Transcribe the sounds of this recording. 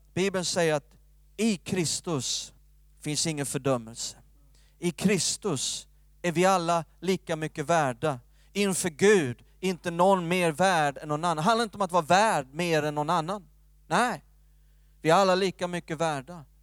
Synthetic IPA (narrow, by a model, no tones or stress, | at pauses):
b̥iːbənsɛjːəɾat̪ | ɪkʰɾɪst̪ɵs | fɪnsd̪ɪŋːənfœɖœmːəlsə̥ | ɪkʰɾɪst̪ɵs | æɾvɪalːaliːkamʏkːəvæːɖa | ɪnfœɾɡʉ̟ːd̪ | ɾɪnt̪ənɔnmeːɾvæːɖɛnːɔnanːnɦãnd̪aɾɪnɔmat̪vɑːɾavæːɖ̚meːɾɛnːɔnanːanː | ɛɪ | vɪæɾalːaliːkamʏkːəvæːɖa